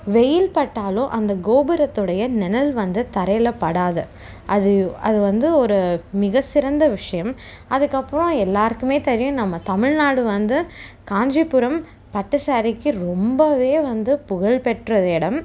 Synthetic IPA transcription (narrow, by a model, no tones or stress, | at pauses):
ʋɛjɪlpɐʈːaːlõːʔɐnd̪ɐɡoːbɯɾɐt̪ːɯɽɐjɐnɛnɐlʋɐnd̪ɯt̪ɐɾɐjlɐpːɐɽaːðɯ | ʔɐðɯɐ̰ðɯʋɐnd̪ɯɔɾɯmɪɣɐsɪɾɐnd̪ɐʋɪʂɐjɐm | ɐðɯkːɐpːɐɾõɛlːaːɾɯkːɯmeːt̪ɛɾɪjʊ̃nɐmːɐt̪ɐmɪɻnaːɽɯʋɐnd̪ɯkaːɲd͡ʒipːʊɾɐm | pɐʈːɯsaːɾɪkːɯɾɔmbɐʋeːʋɐnd̪ɯpʊɣɐɭpɛʈrɐðɛːɽɐm